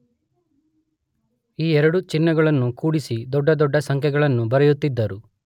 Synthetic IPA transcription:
iːɛɾɐɽut͡ʃinːɐɡɐɭɐnːukuːɽisid̪ɔɖːɐd̪ɔɖːɐsɐŋkʰjɛɡɐɭɐnːubɐɾɐjut̪ːid̪ːɐɾu

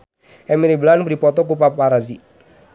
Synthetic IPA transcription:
ʔɛmiɾiblandipɔt̪ɔk̬upapaɾazi

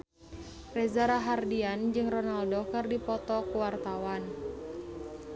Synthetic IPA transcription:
rɛzaɾaɦardiand͡ʒɨŋrɔnaldokɨrdipɔt̪ɔkuwart̪awan

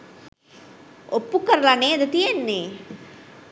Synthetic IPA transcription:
opːukəɾəlaneːd̪ət̪ijenːeː

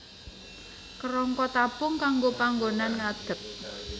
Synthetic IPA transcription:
kəɾɔŋkɔt̪apʊŋkaŋɡopaŋɡonanŋad̪̥ə̤t̪̚

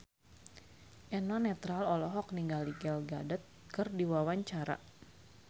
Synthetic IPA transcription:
ʔɛnanɛt̪ɾalɔlɔɦɔk̚niŋɡaliɡɛlɡadət̪̚kɨrdiwawaɲt͡ʃaɾa̰

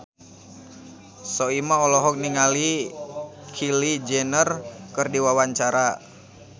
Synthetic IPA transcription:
sɔimaɔlɔɦɔk̚niŋali | kʰilid͡ʒɛnərkɨrdiwawaɲt͡ʃaɾa

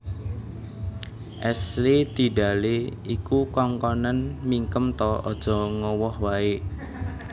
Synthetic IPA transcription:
ʔɛslid̪̥i̤ɖ̥a̤leikukɔŋkɔnənmiŋkəmt̪ɔʔɔd̥ʒ̥ɔ̤ŋɔwɔhwae

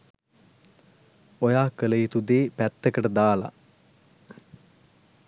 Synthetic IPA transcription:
ojaːkələjit̪ud̪eːpæt̪ːəkəʈəd̪aːla̰

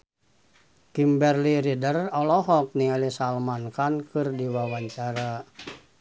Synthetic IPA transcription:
kimbɛrliɾidərɔlɔɦɔk̚nialisalmankankɨrdiwawaɲt͡ʃaɾa

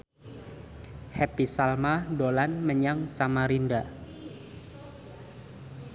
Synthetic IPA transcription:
hɛpisalmadolanməɲaŋsamaɾinda

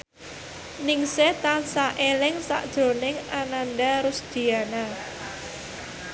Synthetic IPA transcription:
nɪŋsɛt̪ansaʔelɪŋsa̰ʔd̥ʒ̥o̤nɪŋananɖaɾʊsd̪̥i̤ana

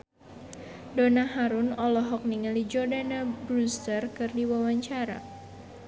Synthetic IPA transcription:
donaɦaɾunɔlɔɦɔk̚niŋalid͡ʒɔrdanabɾust̪ərkɨrdiwawaɲt͡ʃaɾa̰

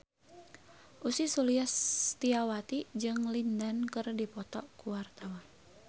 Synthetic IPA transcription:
ʔusisuliast̪iawat̪id͡ʒɨŋlindankɨrdipɔt̪ɔkuwart̪awan

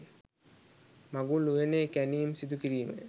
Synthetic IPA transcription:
maɡuluʋeneːkæniumsid̪ukiɾiːmə̰

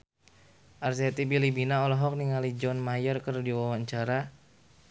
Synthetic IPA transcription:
ʔarset̪ibilibinaɔlɔɦɔk̚niŋalid͡ʒɔnmajɔrkərdiwawaɲt͡ʃaɾa

